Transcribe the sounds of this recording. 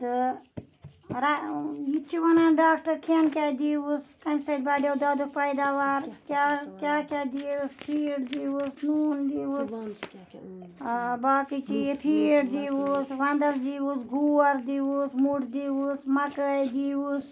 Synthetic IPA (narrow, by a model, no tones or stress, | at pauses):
t̪ɨ | ɾajit͡ʃʰiʋɐnanɖaːkʈɐɾkʰiɐnkʲaːd̪iːuskɐmsɐd̪̚baːɖewd̪aːd̪uk̚pɐjd̪aːʋaːɾkakʲjaːkʲaːd̪iːuspʰiːɖd̪iːusnuːnd̪iːus | baːkit͡ʃiepʰiːɽd̪iːusʋɐnd̪ɐsd̪iːusɡuːɐɾd̪iːusmuʈd̪iwusmɐkəjd̪iːus